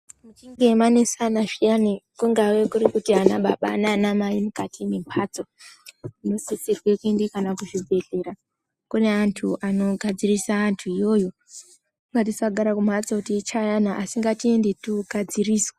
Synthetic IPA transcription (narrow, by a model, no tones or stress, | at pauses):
mut͡ʃiŋɡe̞mane̞sanaʐianikuŋɡawekuɾikutianaɓaɓa̰ːnaːnamaimukatʰimempʰaːt͡so | ino̞sisirwe̞kue̞ndekanakuʐibʱe̞ɮe̞ɾa | kune̞antʰuʔano̞ɡʱad͡zirisaːntʰuijo̞jo̞ | kuŋɡat̬isaɡʱaɾakumat͡sokutiːt͡ʃajanaʔasiŋɡatie̞nde̞tuɡʱad͡ziriːswe